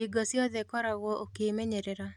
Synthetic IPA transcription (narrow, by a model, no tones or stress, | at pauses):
iɡɔsjɔðɛkɔɾaɣɔʔokemeɲeɾeɾa